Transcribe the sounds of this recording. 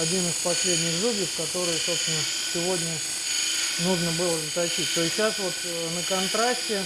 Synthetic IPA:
ɐdʲinɨspɐsʲlʲedʲnʲɪxzubʲəfkɐt̪o̞ɾɨjəso̞pst̪nə | sʲɪvo̞dʲnʲə | nuʐnəbɨlˠəzət̪ɐt͡ɕit̚ʲt̪o̞ɪsʲɕasvo̞t̪ənəkɐnt̪ɾasʲtʲɪ

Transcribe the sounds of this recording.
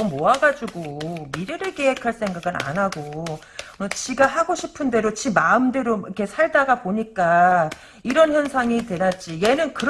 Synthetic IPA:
ʌmmoaɡad͡ʑuɡomiɾɯɾɯɭkeekʰaɭs͈ʰe̞ŋɡaɡɯna̰nɦaɡo | ʌt͡ɕiɡaɦaɡoɕʰipʰɯnde̞ɾot͡ɕimaɯmdeɾoikʰe̞sʰaɭdaɡapoɲik͈a | iɾʌnçjʌnsʰaŋitwe̞ɾat̚t͡ɕ͈ije̞nɯnkɯɾ

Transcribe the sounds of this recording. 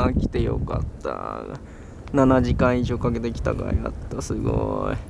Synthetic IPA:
akʲi̥t̪e̞jo̞̰ka̰t̪ːa̰ | nanaʑikãɰ̃iʑo̞ːkaɡe̞t̪e̞kʲi̥t̪a̰ɡa̰ia̰t̪ːasɨɡo̰ḭ

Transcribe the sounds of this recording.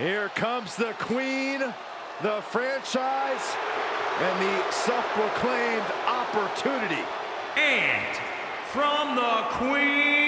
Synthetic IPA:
hiɹkʰʌ̃mzðɨkʰw̥ĩn | ðəfɹæ̃nt͡ʃaɪz̥ | ɨ̃nðɨsʌfpʰɹəkʰl̥ẽɪ̃mdʔɑpə˞tʰʉnɨɾḭ | ɨ̃n | fɹʌ̃mðəkʰwi

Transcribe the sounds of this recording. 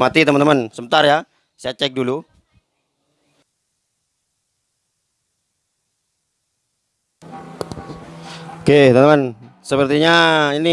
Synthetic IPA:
mat̪it̪əmənt̪əmənsəmənt̪arja | siat͡ʃɛk̚dulu | oket̪mənt̪əmən | səpərt̪iɲaini

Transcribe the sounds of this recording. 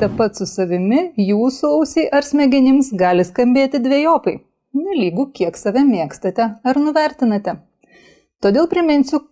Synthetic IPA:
t̪ʲɐpɐt̪sʊsɐʋʲɪmʲɪjuːsʊɐʊsʲɛɪʔɐɾsʲmʲɛɡʲɪnʲɪmsɡɑːlʲɪskɐmʲbʲeːt̪ʲɪd̪ʲʋʲeɛjoːpɐɪ | nʲɛlʲiːɡʊkʲiɛksɐʋʲɛmʲeɛkst̪ɐt̪ʲɛɐɾnʊʋʲɛɾʲt̪ʲɪnɐt̪ʲɛ | t̪oːd̪ʲeːlˠpʲɾʲɪmʲɪnʲsʲʊ

